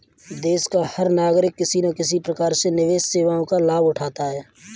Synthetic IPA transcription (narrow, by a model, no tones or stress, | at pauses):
d̪eːskahəɾnaːɡɾɪkːɪsinakɪs̬ipɾəkaːɾsenɪʋeːsseːʋaõkalaːbʊʈʰaːt̪aɦɛː